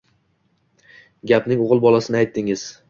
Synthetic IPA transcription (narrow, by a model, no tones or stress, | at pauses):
ɡʲapnɪŋoʁɨlˠbɒlˠasɪnɪajt̪ʰːɪŋɪz̥